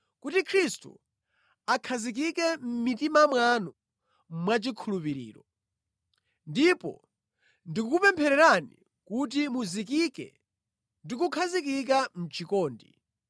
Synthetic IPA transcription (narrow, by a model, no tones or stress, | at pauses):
kutikʰɾistṵ | akʰazik̬ikɛm̩mitimamwanɔ | mwat͡ʃikʰulupiɾḭːɾɔ | ndipɔ̰ | ndikukupɛmpʰɛɾɛɾanḭ | kutimuzikikɛ̰ | ndikukʰazikik̬am̩t͡ʃʰikɔːndḭ